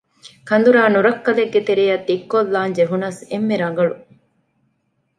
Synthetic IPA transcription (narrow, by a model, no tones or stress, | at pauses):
kʰɐnd̪uɾaːnuɾɐkːɐleɡːet̪eɾijɐt̪ːikːolːaːnd͡ʒeɦunɐsemːeɾɐŋ̆ɡɐɭu